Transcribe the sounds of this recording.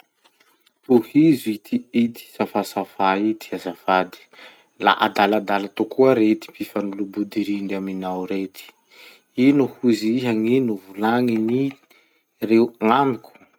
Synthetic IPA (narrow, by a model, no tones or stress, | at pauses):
uhizit̪ʰiit̪i̥safasafait̪i̥azafad̪i̥ | la̰ʔad̪alad̪alat̪ukuəɾet̪ipifanulubud̪iɾinɖ͡ʐaminawɾet̪i̥ | inuhuziɦaŋinuvulaŋini | rewŋamiku̥